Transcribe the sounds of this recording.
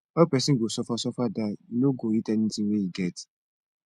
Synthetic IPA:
ɔpɛsiŋ̩ɡʷosɔfasɔfadanoɡoitɛnn̩tieiɡɛt

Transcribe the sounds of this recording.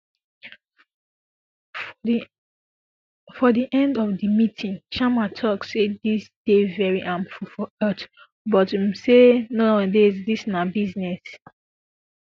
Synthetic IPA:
fɔðiʔɛ̃ndɔvðəmitʰĩŋʃamatʰɔkssedisd̥evɛɹiʔãnfufɔɜt | bɔtmsenoãdezdisnabiznɛs

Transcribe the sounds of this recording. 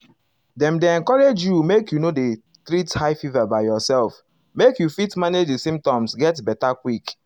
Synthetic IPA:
dɛ̃mdeɛ̃nkɔɹed͡ʒjumekjunode | tɹithaɪfivabaɪjɔsɛlf | mekjufitmaned͡ʒdesĩmp̚tɔ̃msɡɛtbɛtakwik

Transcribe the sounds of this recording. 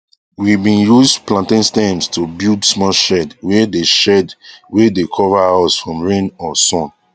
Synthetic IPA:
wibĩnjusplãntĩnstɛ̃mstʰubildsmɔʃɛdwɛdeʃɛdwedekʰɔvaasfɹɔ̃mɹẽnɔsɔ̃n

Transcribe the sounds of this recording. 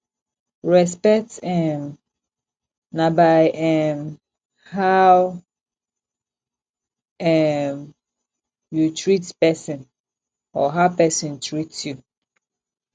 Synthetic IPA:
ɹɛspɛk̚tɛm | nabaɪʔɛm | haw | ɛm | jutʰɹitpɛsɔ̃n | ɔɦapɛsɔ̃ntʰɹitju

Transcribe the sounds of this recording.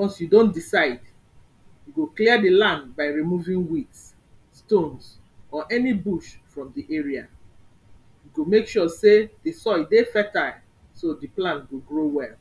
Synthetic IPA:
wɔ̃nsjudõndisaɪd | juɡokliədilãndbaɪɹimuvĩŋwits | stõns | ɔʔɛnibuʃfɹɔ̃mdiʔeɹia | juɡomekʃusedisɔidefɛta | sodiplãntɡoɡɹowɛl

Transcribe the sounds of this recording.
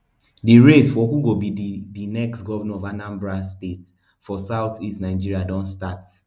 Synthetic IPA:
diɹesfɔhuɡobiddinɛkstɡɔvɛnɛ̃ɔvanãmbɹastet | fɔsaʊθistnaɪd͡ʒiɹiadɔ̃ntstat

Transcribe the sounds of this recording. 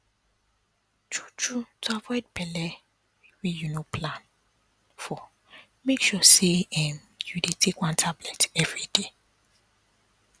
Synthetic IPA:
t͡ʃu̥t͡ʃutʰavɔjd̚pʰɛlɛ | wejunopʰlãn | fɔ | mekʃɔseɛ̃m | judetʰekwãntʰablɛtɛvɹide

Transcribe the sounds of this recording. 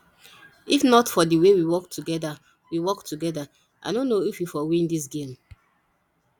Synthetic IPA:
ifnɔtfɔdiwewiwɔktʰuɡɛda | wiwɔktʰuɡɛda | ʔa̰dõnːoifwifɔwĩndis̬ɡẽm

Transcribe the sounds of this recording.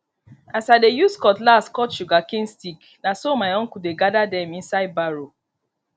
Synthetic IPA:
asadejuskɔtlastkɔtʃuɡakĩnstik | nasomaɪõŋ̩kudeɡadadɛmĩnsaɪd̚baɾo

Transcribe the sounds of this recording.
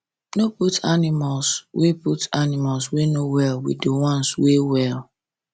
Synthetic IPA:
noputʰanɪmalsweputanɪmalswenowɛlwḭdewɔ̃nswewɛl

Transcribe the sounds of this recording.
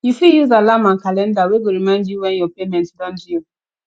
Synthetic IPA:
jufijuzalamãnkalɛ̃ndaweɡoɹimãɪ̃ndjuwɛ̃njɔpemɛ̃ntdɔ̃ndi

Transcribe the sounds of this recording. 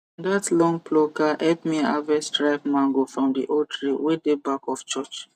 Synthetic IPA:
datlɔ̃ŋpʰlokaʔɛpmia̰vɛstɹaɪp̚mãŋɡofɹɔ̃mdḭʔotʰɹiwedebakɔft͡ʃɔt͡ʃ

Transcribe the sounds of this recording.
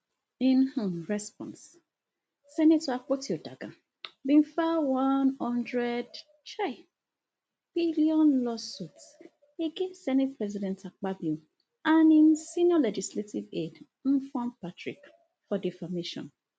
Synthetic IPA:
ĩn̩huɹɛspɔ̰̃ns | sɛnetakotiodaɡa | bĩnfawanhɔ̃ndɾɛd | t͡ʃaɪ | b̥iliɔnlɔsuts | eɡesɛnet̚pɹɛzidɛ̃ntak͡pabio | aninsinjɔled͡ʒisletived | m̩fɔ̃npatɹḭk | fɔdifameʃɔ̰̃n

